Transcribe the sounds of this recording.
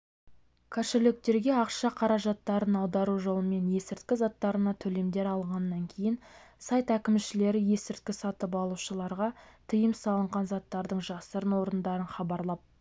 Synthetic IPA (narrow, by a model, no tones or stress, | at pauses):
kʲʰɑʃɪlɪk̚t̪e̞ɾɡʲe̞ɑqʃɑqʰɑɾɑʒɑt̪ːɑɾənɑwd̪ɑɾuʒo̞lˠəme̞nje̞sɪɾt̪kʲɪzɑt̪ːɑɾənɑt̪ʰɵle̞md̪e̞ɾɑlˠəɴʁɑnːɑŋkʲʰe̞jɪnsajt̪ækʲɪmʃɪle̞ɾɪje̞sɪɾt̪̚kʲɪsɑt̪əp̬ɑlˠuʃəlˠɑɾʁɑt̪ʰəjəmsɑlˠəɴʁɑnzɑt̪ːɑɾd̪əɴʒɑsəɾənwo̞ɾənd̪ɑɾənχɑbɑɾlˠɑp̚